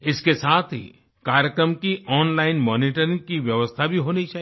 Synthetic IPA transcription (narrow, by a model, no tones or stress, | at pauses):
ɪskesaːt̪ʰɦḭ | kaːɾjəkɾəmkiʔɔːnlaːɪnmɔːniʈəɾɪ̃ŋɡkiʋjəʋəst̪ʰabʱiɦoːniit͡ʃaːɦi